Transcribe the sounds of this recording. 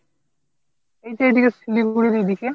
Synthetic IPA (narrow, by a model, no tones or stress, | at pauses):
ejteejd̪ikesiliɡuɽiɾejd̪ike